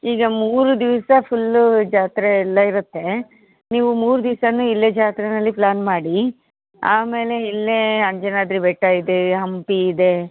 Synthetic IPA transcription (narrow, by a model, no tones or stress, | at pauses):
iːɡɐmuːɾud̪iʋsɐpʰulːd͡ʒaːt̪ɾeɛlːɐiɾut̪ːe̞ | niːʋumuːɾud̪iʋsɐnuilːed͡ʒaːt̪ɾɛnɐlːiplaːnmaːɽi | aːme̞ːle̞ilːeɐɲd͡ʒenaːd̪ɾibɛʈːaːjid̪eɦɐmpiːd̪e̞